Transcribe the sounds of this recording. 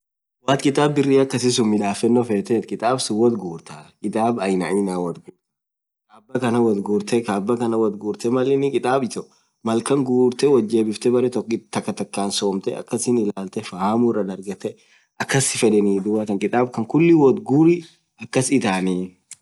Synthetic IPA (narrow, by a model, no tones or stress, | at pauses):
waːt̪kʼɪt̪ʼaːbːɪrːiːɐkːɐsɪs̬ʊmːɪᶑaːfɛnːɔfeːt̪eːt̪kʼɪt̪ʼaːbsʊwɔt̪ɡuːɾt̪aːkʼɪt̪ʼaːbɐjnɐʔiːnaːwɐd̪ɡu | kaːbːɐkɐnɐwɐd̪ɡuːɾt̪ɛkaːbːɐkɐnɐwɔd̪ɡuːɾt̪ɛmɐlɛnɪkʼɪt̪ʼaːbɪt̪ɔ | mɐlkɐŋɡuːɾt̪ɛwɐd͡ʒːe̞ːbɪft̪ɛbɐɾɛt̪ɔkːɪt̪ɐkːɐt̪ɐkːaːnsoːmt̪ɛɐ̰kːɐsɪnɪlaːlt̪ɛfahamurːɐnɐɾɡɐt̪ːɛ | ʔɐkːɐsɪfɛᶑɛniːd̪ʊwat̪ɐŋkʼɪt̪ʼaːbkɐŋkʊlːɪwɔd̪ɡuːɾɪ | ɐkːɐsɪt̪aːniː